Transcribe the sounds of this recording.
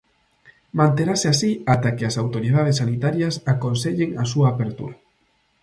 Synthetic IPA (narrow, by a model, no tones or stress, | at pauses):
mãnt̪eɾaseasiat̪akeasawt̪oɾið̞að̞esːanit̪aɾjɐsakonseʎeŋasuaːpeɾt̪ṵɾa